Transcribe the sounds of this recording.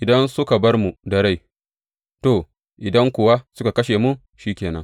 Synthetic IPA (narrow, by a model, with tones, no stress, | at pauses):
ʔɪ˨dɐ˦nsʊ˦ka˨bɐ˦rmu˨dɐ˨ɽa˦˨j | to˨ | ʔɪ˨dɐ˦ŋkʷʊ˨wa˦sʊ˦ka˨kɐ˦ʃe˨mu˦ | ʃiː˦kʲeː˨nɐ̰˦ŋ